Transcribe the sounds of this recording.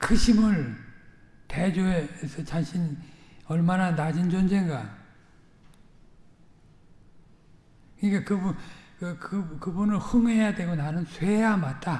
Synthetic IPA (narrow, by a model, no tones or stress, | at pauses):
kɯɕʰimɯɭ | tʰed͡ʑoeːsʰʌt͡ɕaɕʰiniʌɭmananad͡ʑind͡ʑʌnd͡ʑeŋɡa | kɯɲikakɯbunkkkɯbunɯɭɸɯŋe̞jadwe̞ɡonanɯnsʰwejamat̚t͈a